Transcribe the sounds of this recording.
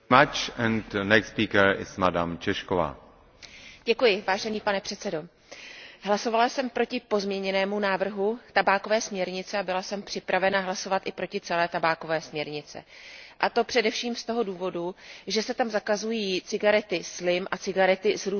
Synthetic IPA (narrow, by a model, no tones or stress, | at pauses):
at͡ʃɛndnɛkspiːkəɾɪ̰smada̰mt͡ʃɛʃkova̰ː | ɟ̥ɛkujɪvaːʒɛniːpanɛpr̥ɛt̪t͡sɛdo̞ | ɦlaso̞valasɛmpɾo̞cɪpo̞zmɲɛɲɛnɛːmunaːvr̩ɦut̪abaːko̞vɛːsmɲɛɾɲɪt͡sɛabɪlasɛmpr̝̥ɪpɾavɛnaɦlaso̞vat̪ʔɪpɾo̞cɪt͡sɛlɛːt̪abaːko̞vɛːsmɲɛɾɲɪt͡sɛ̰ʔat̪o̞pr̥ɛdɛfʃiːmst̪o̞ɦo̞duːvo̞duʒɛsɛt̪amzakazujiːt͡sɪɡaɾɛt̪ɪslɪmʔat͡sɪɡaɾɛt̪ɪzɾu